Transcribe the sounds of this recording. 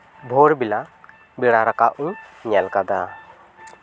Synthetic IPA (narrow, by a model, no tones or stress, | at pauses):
bʱoɾbila | biɽaɾakaʔũɲalkad̪a